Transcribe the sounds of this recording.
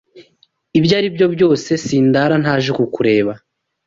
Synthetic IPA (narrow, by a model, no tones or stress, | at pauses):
ibjaːɾibjo̞bjo̞ːse̞siːndaɾan̥haːʒekukuɾe̞ːβa